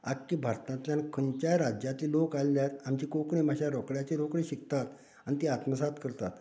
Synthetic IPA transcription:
a̰ɡkːiːbʱaɾt̪ãnt̪ljankʰənt͡ɕaɾad͡ʑjat̪iːlokalljat̪amt͡ɕiːkokɳimaɕaɾɔkɽjat͡ɕeɾokɽiɕikt̪at̪ | anit̪iat̪məsat̪kəɾt̪a̰t̪

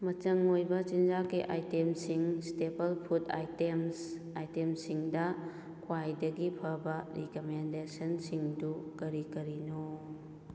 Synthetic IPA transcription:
mɐt͡ʃɐŋojbɐt͡ʃind͡ʒakiʔajtemsiŋstepɐlpʰuta̰jtems | ajtemsiŋdɐ | kʰwajdɐɡipʰɐɾbɐɾikomendesɐnsiŋdukɐɾikɐɾino

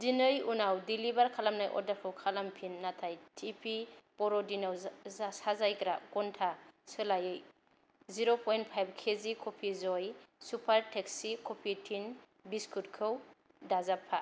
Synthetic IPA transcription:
dinɯjunawdilibaɾkʰalamnajʔɔ̰daɾkʰɯwkʰalampʰinːatʰajtʰipʰipɔɾɔdinawsazajkɾakɔntʰasɯlajɯj | ziɾopʰɔjnt̚pʰajb̚kʰezikʰopʰizɔjsupʰaɾtʰeksikopʰitʰin | biskʰutkʰɯw | dazapʰːa

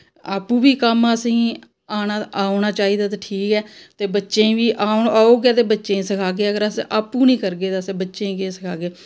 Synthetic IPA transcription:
aːpũːbiːkəməsĩː | aːnaːaːʊnaːt͡ʃaːiːd̪aːt̪̬aʈʰiːkɛːt̪eːbətːʃẽːbiːʔaːaːoːɡaːt̪eːbətːʃẽːsəkʰaːɡeːəɡəɾəsʔaːpũːnĩːkəɾɡeːt̪asẽːbətːʃẽːkeːsəkʰaːɡeː

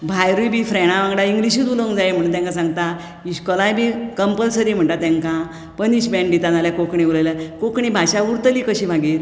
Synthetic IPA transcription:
bʱajɾubʱiːfɾɛɽ̃ãʋãɡɽaiŋɡliɕiːt̪uləwŋd͡zaem̤əɽ̃t̪jãŋkasãŋɡt̪a | iɕkɔlajbikəmpəlsəɾim̤əɳʈ̪at̪ãŋkã | pəniɕbɛ̃ɳɖiːt̪analjakokɳiulalakokɳibʱaɕauɾt̪əliːkəɕiːbʱaɡit̪

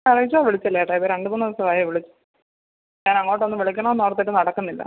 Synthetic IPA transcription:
ɐrijit͡ɕːaːʋiɭit͡ɕːɐlːejɐʈːeipːoɾeɳɖɨmuːnɐiɐʋɐsɐʋaːjiʋiɭit͡ɕːɨ̥ | ɲaːnɐŋːoːʈːeonːɨʋiɭikʲːɐɳɐnoːɽɐt̪ːiʈːɨnɐɽɐkːunːilːɐ̰

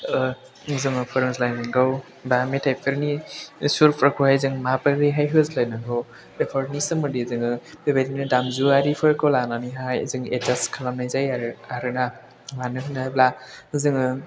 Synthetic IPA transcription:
ɯ | zɯŋɯpʰɯɾɯŋzlajnaŋɡaw | bametʰajpʰɯɾnisuɾpʰɾakʰuhajzɯŋmapɯɾiɦajɦɯzlajnɯŋɡɯw | epʰɔɾnisɯmɯdizɯŋɯbebadinɯdamzuaɾipʰɯɾkɔwlananiɦajzɯŋḛzaskʰalamnajzajaɾaɾɯna | lanɯɦʰɯnaajblazɯŋɯ

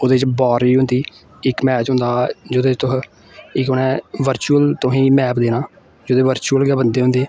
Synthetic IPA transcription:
oːd̪eːt͡ʃbɔːɾiːɦʊ̃nd̪iː | ɪkmɛːt͡ʃɦʊ̃nd̪aːd͡ʒoːd̪eːt̪ʊs | ɪkonɛ̃ːʋəɾt͡ʃuːəlt̪oɦĩːmɛːpd̪eːnãː | d͡ʒoːd̪eːʋəɾt͡ʃuːəlɡɛːbənd̪eːɦʊ̃nd̪eː

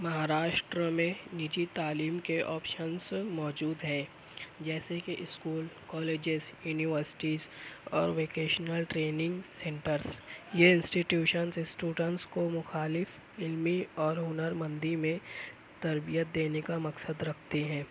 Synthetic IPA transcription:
mɐɦaːɾaːʃʈɾəmẽnɪd͡ʒit̪aːliːmkeʔɔːpʃənsmɔːd͡ʒuːd̪ɦɛ̃ | d͡ʒɛːsekiʔɪskuːlkɔːleːd͡ʒɪzjuːniʋəɾsɪ̥ʈizɔːɾʋeːkeːʃnəlʈɾeːnɪ̃ŋɡsẽːɳʈəɾsjeɪ̃nsʈiʈjuːʃənsɪsʈjuːɖə̃nʈskomʊxaːlɪf | ɪlmiɔːɾɦʊnəɾmə̃nd̪imẽ | t̪ɐɾbijət̪̚d̪eːnekamɐksəd̪ɾɐkʰt̪eɦɛ̃ː

